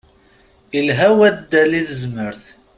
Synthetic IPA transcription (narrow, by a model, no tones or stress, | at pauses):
ilɦæwæd̪ːæliθəzməɾθ